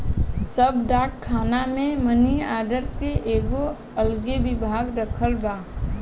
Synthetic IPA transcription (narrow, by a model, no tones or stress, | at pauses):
səbɖaːkkʰːaːnamẽməniaːɖəɾkeʔeːɡo | əlɡeʋɪbʱaːɡɾəkʰəlbaː